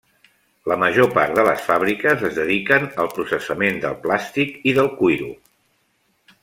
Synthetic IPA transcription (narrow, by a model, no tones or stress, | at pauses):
ləməʒopaɾd̪ələ̰sfaβ̞ɾikəzəzðəðikənəlˠpɾusəsəmend̪əlˠplast̪ikiðəlˠkujɾu